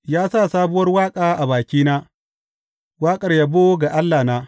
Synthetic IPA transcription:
jaː˦sa˦˨saː˦bʊ˦wɐ˦rwaː˦kʼaː˨ʔa˨baː˨kʲiː˦naː˦ | waː˦kʼɐ˨rjaː˦boː˦ɡa˨ʔa˦lːaː˨naː˦

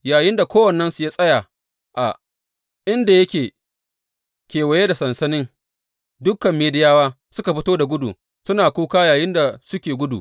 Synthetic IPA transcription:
jaː˨jɪ˦nda˨kʷoː˦wɐ˨nːɐ˦nsu˨jaː˦sʼɐ˦jaː˨ | ʔa˨ | ʔɪ˦nda˨jɐ˦kʲeː˨ | kʲeː˨wɐ˨jeː˦da˨sɐ˨nsɐ˦nɪ˦ŋ | dʊ˦kːɐ˨mːeː˨dɪ˦jaː˦waː˦ | sʊ˦ka˨ɸɪ˦toː˦da˨ɡʷʊ˦dṵ˨ | sʊ˦naː˨kʷuː˦kaː˦jaː˨jɪ˦nda˨sʊ˦kʲeː˨ɡʷʊ˦dṵ˨

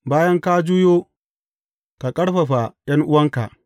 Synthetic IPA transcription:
baː˦jɐ˦ŋkaː˦d͡ʒu˦joː˦ | ka˨kʼɐ˦ɽɸɐ˨ɸa˨j̰ɐ˦ŋʔʊ˦wɐ˦ŋka̰˨ʔ

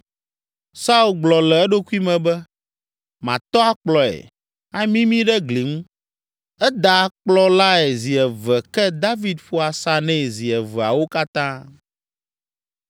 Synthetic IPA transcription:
sa˦u˦˨lɡ͡blɔ˨lɛ˨ɛ˦ɖo˦ku˦i˦mɛ̃˨bɛ˦ | mã̰˨t̪ɔ˦a˨k͡plɔ˨ɛ̰˨ | a˦mĩ˦mĩ˦ɖɛ˦ɡli˨ŋũ˦ | ɛ˦d̪a˨˦k͡plɔ˦la˦ɛ˨zi˨ɛ˨vɛ˨kɛ˦d̪a˦vi˨d̪ɸo˦a˨sa˦nɛ̃˦˨zi˨ɛ˨vɛ˨a̰˨wo˦ka˦t̪ã˦

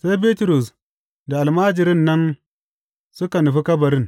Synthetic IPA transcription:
sa˦jbi˦tu˨ɾu˨s | da˨a˨lma˦d͡ʒɪ˨ɾɪ˦nːɐ˦n | su˦ka˨nu˨ɸi˦ka˦bɐ˨ɾɪ˦n

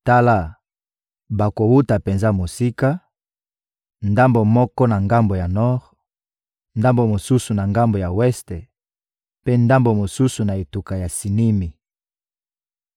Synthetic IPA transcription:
ta˦la˦˨ | ba˨ko˨wu˦ta˨pe˨nza˦mo˨si˦ka˦ | nda˦mbo˨mɔ˦kɔ˦na˨ŋɡa˦mbo˨ja˨nɔ˦ʁ | nda˦mbo˨mo˨su˦su˨na˨ŋɡa˦mbo˨ja˨wɛ˦ste˨ | pe˦nda˦mbo˨mo˨su˦su˨na˨e˨tu˨ka˨ja˨si˨ni˦mi˨

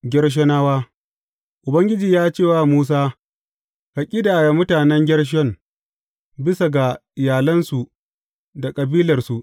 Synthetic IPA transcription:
ɡʲɛ˦rʃ̬ɔ˦naː˦waː˦ | ʔʊ˨bɐ˦ŋɡʲɪ˦d͡ʒiː˨jaː˦t͡ʃeː˦˨waː˦muː˦s̬aː˦ | ha˨kʲʼi˦daː˨ja˨mʊ˦taː˨nɛ˦ŋɡʲɐ˦ɽʃ̬ɔ˦˨ŋ | bɪ˦sa˨ɡa˨ɪ˨jaː˨lɐ˦nsu˨ | da˨kʼɐ˨biː˦lɐ˨rsu˨ʔ

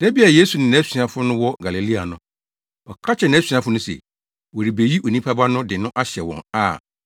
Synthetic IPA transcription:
d̥ɛ˦bi˦a˨je˦su˨nɪ̃˨ñ˨˦æ˦si˨ã˨fʊ˦nʊ̃˦wɔ˦ɡa˨li˨li˦a˨nʊ̃˦ | b̥ɔ˨kʰa˦t͡ɕʰɛ˨nɪ̃˦æ˦sĩ˨˦ã˨fʊ˦nʊ̃˦sɛ̰˨ | wɔ˨ɾi˨be˨ji˦ʔo˨nĩ˦pʰa˦ba˦nʊ̃˦dɪ˨nʊ̃˦ʔa˦ɕɛ˨wɔ̰̃˨na̰˨

